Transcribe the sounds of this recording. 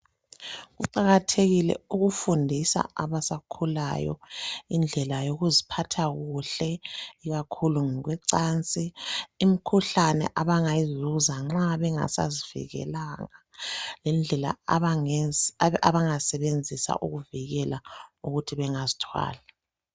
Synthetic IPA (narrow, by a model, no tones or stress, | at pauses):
ɣuǃaɣatʰeɣilɛ̰uɣufundʱisa̰ʔaβasakʰula̰jɔ̰ind͡ɮʱɛlajoɣuzipʰatʰaɣuɬɛiɣakʰuluŋɛɣwɛǀant͡sʼiːmikʰuɬanɛ̰ʔaβaŋajizuzaŋ͡ǁaβɛŋa̰sa̰zivḭɣɛ̰laŋalɛnd͡ɮʱɛla̰ | aβaŋasɛβend͡zʱisa̰ʔṵɣuviɣɛlauɣutʰiβɛŋazitʰwa̰ːla